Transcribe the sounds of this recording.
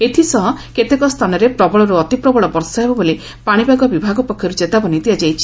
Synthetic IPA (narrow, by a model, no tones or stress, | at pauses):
et̪ʰisɔɦɔket̪ekɔst̪ʰanɔɾepɾɔbɔɭɔɾuɔt̪ipɾɔbɔɭɔbɔɾsɔɦebɔboli | paɽ̃ibaɡɔbibʱaɡɔpɔkʰjɔɾud͡ʒet̪abɔnid̪iad͡ʒajt͡ʃʰi̥